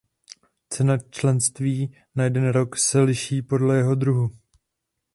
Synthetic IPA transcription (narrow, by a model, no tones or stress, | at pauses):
t͡sɛnat͡ʃlɛnst̪viː | najɛdɛnɾo̞ksɛlɪʃiːpo̞dlɛjɛɦo̞d̪ɾuɦu